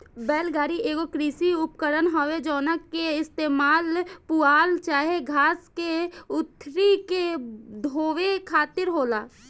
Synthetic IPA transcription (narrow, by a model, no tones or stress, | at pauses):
bɛːlɡaːɾieːɡokɾiːsiʊpkəɾənɦoʋed͡ʒɔːnəkːeɪst̪eːmaːlpuaːlt͡ʃaːɦeɡʱaːskeʊt̪ʰːɾiked̪ʱoːʋekʰaːt̪ɪɾɦoːlaː